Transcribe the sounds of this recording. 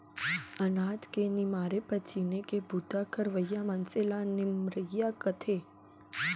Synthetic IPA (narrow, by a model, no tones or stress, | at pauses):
ɐnaːd͡ʒkenɪmaːɾepɐt͡ʃʰinekebʱut̪akəɾʋəjːamɐnselanɪmɾəjakət̪ʰeː